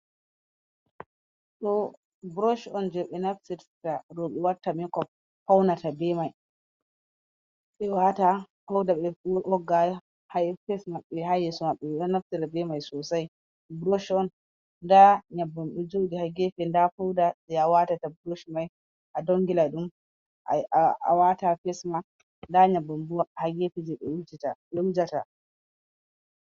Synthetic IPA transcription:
ɗɔ | bɾoʃɔnd͡ʒɛɓɛnafsiɾtaɾɔɓɛwaɾtːamikɔf̚ | hawnatabɛmaj | ɓɛwata | fawdaɓɛʔɔɡajɔ | hajfɛsmaɓːɛɦajɛsɔmaɓːɛɛɗɔnafsiɾabɛmajsɔsaj | bɾoʃɔn | ndaɲabːɔmɓɛd͡ʒowdihaɡɛfɛndafɔwdaɗɛawatatabɾoʃmaj | ʔadɔŋɡilaɗum | a̰watafɛsma | ndaɲabːɔmbuwahaɡefid͡ʒɛɓɛud͡ʒitaɓɛud͡ʒata

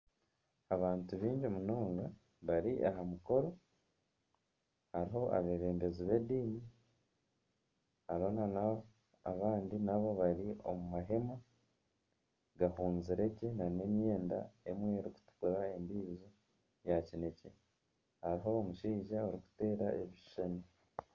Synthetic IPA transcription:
aβaːntuβiːɲɟomunoːŋɡa | βaɾiʔaɦamuko̞ɾo̞ | haɾiɦo̞ʔa̰βe̞ɾe̞ːmbeziβe̞diːni | haɾiho̞nana | a̰βaːndinaβo̞βaɾio̞̰mumaɦe̞ma | ɡahuːnziɾe̞cenane̞mjeːnda̰e̞mwe̞ːɾiku̥tu̥kuɾae̞mbizi | jacine̞ce | haɾiɦo̞ːmuʃiːʒaoɾiku̥te̞ːɾaʔeβiʃʃeni

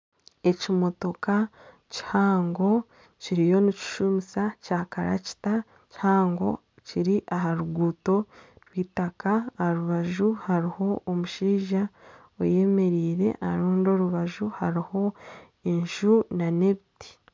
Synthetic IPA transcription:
e̞cimo̞to̞ka | ci̥haːŋɡo̞ | ciɾijo̞nici̥ʃumisacaːkaɾa̰ci̥ta | ci̥haːŋɡo̞̰ | ciɾiʔaɦaɾuɡuːto̞ɾwiːtakaːɾuβaʒuhaɾiho̞omuʃiːʒa | o̰je̞me̞ɾiːɾe̞̰ʔaaɾuːndo̞ɾuβaʒuhaɾiho̞ | e̞ɲʒunane̞βiti̥

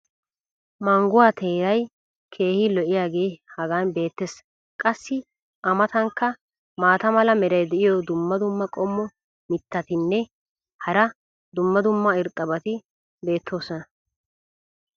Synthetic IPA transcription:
mɐŋɡʊwaːt̪ʰeːɾɐj | kʰe̞ːhɪlɔʔɪjaːɡe̞ːhɐɡaːnbe̞ːt̪ːes | kʼɐsːɪ | ʔɐmɐt̪ɐŋkːɐ | maːt̪ɐmɐlɐmɛɾɐjd̪ɛʔɪjɔd̪ʊmːɐd̪ʊmːɐkʼɔmːɔ | mɪt̪ːɐt̪ɪnːɛ | hɐɾɐ | d̪ʊmːɐd̪ʊmːɐɪɾt̪ʼːɐbɐt̪ɪ | be̞ːt̪ʰːo̞ːsɔnɐ

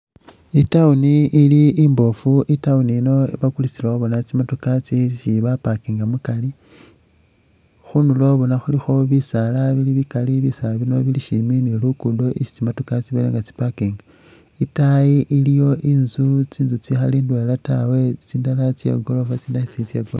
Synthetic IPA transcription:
itauniʔːliimbo̞fuitaunino̞iβakulit͡silaoβonat͡simatokat͡siʃiβapakiːŋɡamukali | xunulo̞βo̞naxulixo̞βisalaβiliβikaliβisalaβino̞βiliʃiminilukudoʔiʃi̥t͡simatukat͡siβelḛŋɡat͡si̥pakiːŋɡa | itajiʔilijo̞ʔinzut͡siːnzut͡sixalindwelatawe̞t͡siːndalat͡sjḛɡo̞lo̞fat͡siːndaʃit͡sit͡sjḛɡolo̰

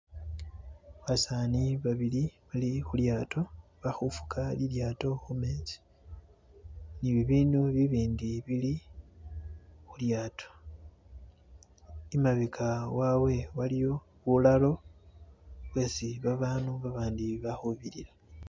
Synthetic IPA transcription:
βasaniβaβiliβalixuljaːtʰo̞βaxufu̥kʰaliljaːto̞xumeːzi̥ | niβiβiːnuβiβiːndiβili | xuljaːtʰo̥ | imaβikʰawawe̞walijo̞ | βulalo̞ | βwe̞ːsiβaβaːnuβaβaːndiβaxuβiɾila

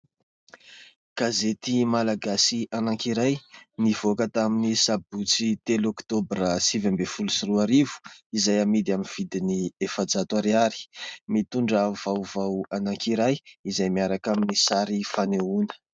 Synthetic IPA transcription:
ɡ̥azet̪imalaɡasianaŋkiɾajniv̥okət̪aminisabut͡sit̪elɔkt̪obrəsivambefulusiɾuaɾivu̥izajamid̪iaminv̥id̪iniefad͡zat̪uaɾiaɾi̥mit̪uɳɖ͡ʐəvawvawanaŋkiɾajizajmiaɾakaminisaɾifaneunə̥

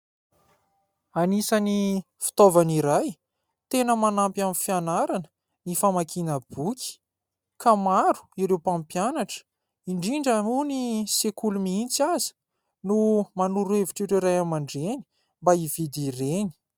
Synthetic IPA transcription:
anisani | fi̥t̪ovaniɾaj | t̪enəmanampamifianaɾanə̥ | nifamakinəb̥ukʲi̥ | kamaɾu̥iɾewpãmpjanaʈ͡ʂə̥ | iɳɖ͡ʐiɳɖ͡ʐanunisekulumiint͡sazi̥ | numanuɾeviʈ͡ʂiɾiɾajamaɳɖ͡ʐeni̥ | mbaiv̥id̪ireni̥

